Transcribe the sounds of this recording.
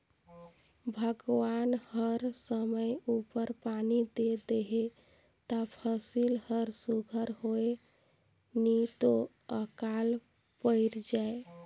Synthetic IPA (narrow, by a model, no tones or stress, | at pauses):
bʱəɡʋanhəɾsəməjupəɾpanid̪ed̪eɦe | t̪apʰəsilhəɾsuɡʱəɾɦoe | nit̪o | əkal | pəɪɾd͡ʒae